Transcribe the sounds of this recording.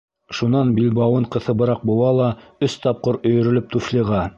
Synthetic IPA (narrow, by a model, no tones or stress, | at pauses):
ʃunɑnbilbɑwɤɴqɤ̆θɤ̆bɤ̆ɾɑq̚bŭw̪ˠɑlˠɑɵst̪ɑp̚qɤɾɵ̆jɵ̆ɾɵ̆lɵp̚t̪ufliʁɑ